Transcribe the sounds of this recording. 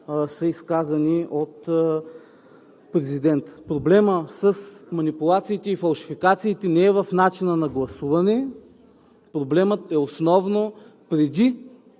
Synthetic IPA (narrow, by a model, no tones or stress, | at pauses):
səiskazɐniot̪ | pɾɛzid̪ɛnt̪pɾoblɛməsəsmɐnipulˠat̪siːt̪ɛifɐlˠʃi̥fikat̪siːt̪ɛnɛɛvɐfnat͡ʃinənɐɡlˠɐsuvɐnɛ | pɾoblɛmət̪ɛosnɔvnopɾɛd̪i